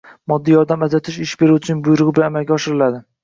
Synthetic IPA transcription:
mɒd̪ːijɒɾd̪amazat̪ʰɪʃɪʃbe̞ɾuwʊt͡ʃʰɪnɪŋbʊjʊɾɨʁɨbɪlanamalɡʲaɒʃɪɾɪlad̪ɪ

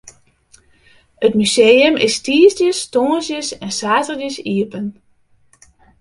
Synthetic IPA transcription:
ətmyseːəmɪstiəsdjəstoːsjəsɛnsaːtərdəsiəpən

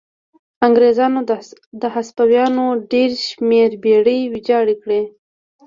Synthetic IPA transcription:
aŋɡɾezɑnod̪əhaspawjɑnoɖeɾʃmeɾbeɽəwid͡ʒɑɽikɽe

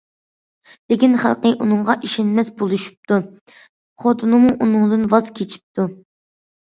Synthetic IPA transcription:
lɪkʲinχæ̰lˠqəʔunɨŋʁɑʔiʃɛnmɛsbolˠuʃu̥p̚t̪ʰu | χot̪ʰɨnɨmuʔunɨŋd̪ɨnvɑz̥kʲʰet͡ʃʰi̥p̚t̪ʰu

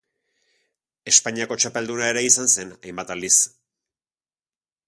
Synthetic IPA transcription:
e̞spaɲiako̞t͡ʃape̞ld̪unae̞ɾe̞isanse̞najmbat̪ald̪is

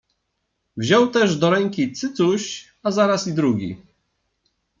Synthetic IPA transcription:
vʑɔwt̪ɛʐd̪ɔɾɛŋkʲit̪sɘt̪suɕ | azaɾasid̪ɾuɡʲḭ

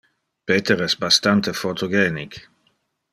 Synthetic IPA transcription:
peːt̪eɾɛsbast̪ant̪efot̪ʰoɡɛːnik

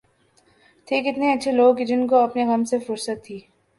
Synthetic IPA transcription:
t̪ʰeːkɪt̪neɐtːʃʰeloːɡd͡ʒɪnkoɐpneɣɐmsefʊɾsət̪ʰːiː

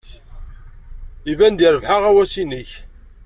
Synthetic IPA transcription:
ivænd̪iɾəvħaʁæwæsinəç

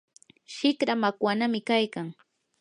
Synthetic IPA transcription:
ʃɪkɾamakwanamɪkajkaŋ

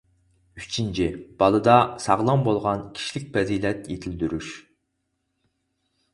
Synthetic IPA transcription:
yt͡ʃʰint͡ʃʰib̥ɑlˠɨd̪ɑsɑʁlˠɑmbolˠʁɑnkʲʰi̥ʃilɪk̚ʲpɛzilɛt̪jet̪ʰɪld̪yɾyʃ

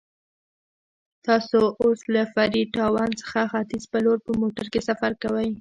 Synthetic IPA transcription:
t̪ɑsoʔoslafaɾiʈɑwɑnt͡sə̥xaxat̪ɪzpəloɾpəmoʈaɾkesafaɾkawəj

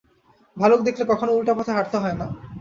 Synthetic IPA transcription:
bʱalok̚d̪ekʰlekɔkʰonoulʈapɔt̪ʰaɦaɾt̪oɦɔena

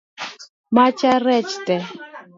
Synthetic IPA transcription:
mat͡ʃaɾɛt͡ʃt̪ɛ

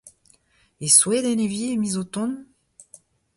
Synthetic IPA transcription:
eswed̪elevjiemizot̪ɔ̃n

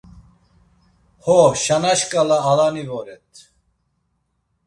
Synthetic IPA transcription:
hɔʃanaʃkʼalaːlanivɔɾɛt̪ʰ

